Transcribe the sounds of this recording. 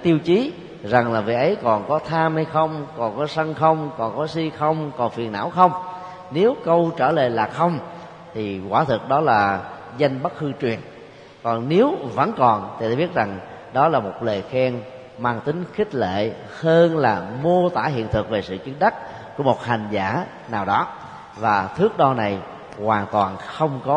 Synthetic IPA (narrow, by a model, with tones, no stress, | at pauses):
a˨˦t̪i˧əwt͡ɕi˨˦ | za˨˩ŋlaː˨˩vḭ˨˩ʔə˨˦jkɔ˨˩nkɔ˨˦t̪ʰaː˧mha˧jxə˧wŋ͡mkɔ˨˩nkɔ˨˦sə˧ŋxə˧wŋ͡mkɔ˨˩nkɔ˨˦si˧xə˧wŋ͡mkɔ˨˩nfi˨˩ənʔa̰ː˧˥wxə˧wŋ͡m | ne˨˦wkə˧wt͡ɕəː˧˩lḛ˧˨˩laː˨˩xə˧wŋ͡m | t̪ʰi˨˩kwaː˧˩t̪ʰɨ˨˩k̚ɗɔ˨˦laː˨˩ | za˧jŋ̟ɓə˦˥t̚xɨ˧t͡ɕwi˨˩ən | kɔ˨˩nne˨˦wvə̰˧˥nkɔ˨˩nt̪ʰi˨˩aː˨˦ɓi˦˥ət̚za˨˩ŋ | ɗɔ˨˦laː˨˩mo˨˩t̚le˨˩xɛ˧ŋ | maː˧ŋt̪ï˨˦ŋ̟xï˦˥k̟̚lḛ˧˨ | həː˧nlaː˨˩mo˧ət̪aː˧˩hḭ˧˨ənt̪ʰɨ˨˩k̚ve˨˩sɨ̰˧˨t͡ɕɨ˨˦nɗə˦˥t̚ | kːu˧˩əmo˨˩t̚ha˨˩jŋ̟zaː˧˩ | naː˨˩wɗɔ˨˦ | vaː˨˩t̪ʰɨ˦˥ək̚ɗɔ˧na˨˩j | waː˨˩ŋt̪waː˨˩nxə˧wŋ͡mkɔ˨˦